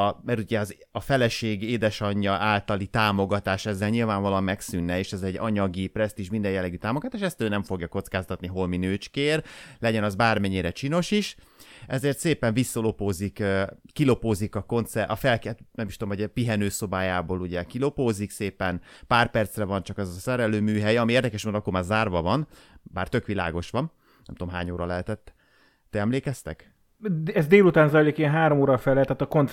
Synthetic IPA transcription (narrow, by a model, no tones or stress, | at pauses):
mɛɾuɟɛɒz | ɒfɛlɛʃeːɡeːd̪ɛʃɒɲːɒaːlt̪ɒlit̪aːmo̞ɡɒt̪aːʃɛzːɛlɲilvaːɱvɒlmɛksynːɛeːʃɛzɛɟɒɲɒɡiprɛst̪iːʃmind̪ɛjɛlːɛɡyt̪aːmoɡɒt̪aːʃɛst̪øːnɛɱfo̞ɡjɒko̞t̪skaːst̪ɒt̪niɦo̞lminøːt͡ʃkeːrlɛɟɛnɒzbaːrmɛɲːiɾɛt͡ʃiːno̞ʃiʃ | ɛzeːrt̪seːpɛɱvisːɒlo̞poːzikkːilo̞poːzikɒko̞nt̪sɛʔɒfɛlkt̪nɛmiʃt̪omɦoɟpiɦɛnøːso̞baːjaːboːluɟɛkilo̞poːzikseːpɛnpaːrpɛrt̪srɛvɒnt͡ʃɒkɛzɒsɛɾɛløːmyːɦɛjɒmieːrd̪ɛkɛʃmoːd̪ɒkːormaːrzaːrvɒvɒnbaːrt̪økʋila̰ːɡo̞ʃʋɒm | nɛmt̪omɦaːɲoːɾɒlɛɦɛt̪ɛt̪ː | ɛɛmleːkɛst̪ɛ̰k | ɛzd̪eːlut̪aːnzɒjɾjikiɛnɦaːɾomoːɾɒfɛlɛt̪ɛt̪ɒkont̪